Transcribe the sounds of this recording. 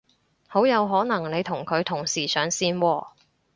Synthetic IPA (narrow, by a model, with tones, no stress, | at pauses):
ho˨˥wjɐ˨˧wɦɔː˨˥nɐ˨˩ŋne˨˧jt̪ʰʊ˨˩ŋkʰɵ˨˧ɥt̪ʰʊ˨˩ŋsiː˨˩sœː˨˥ŋsiː˥˧nwɔː˧